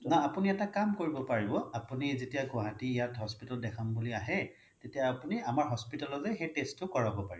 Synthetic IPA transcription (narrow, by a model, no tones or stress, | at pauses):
naapuniɛtakamkoɹibɔpaɹibɔapunizetijaɡɔɦatiːjatɦɔspitɔldɛkʰambuliaɦɛ | tetijaːpuniamaɹɦɔspitalɔzɛxejtestːʊkɔɹabɔpaɹibɔ